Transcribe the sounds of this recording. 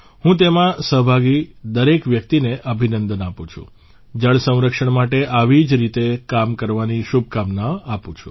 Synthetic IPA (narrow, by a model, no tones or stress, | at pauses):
ɦũt̪emãsəɦbʱaɡid̪əɾekʋjək̚t̪ineʔəbʱinənd̪ənapũt͡ʃʰṵ̃ | d͡ʒəɭsə̃w̃ɾəkʃəɳmaʈeʔaʋid͡ʒɾit̪ekamkəɾʋaniʃubʱkamnaapũt͡ʃʰũ̥̰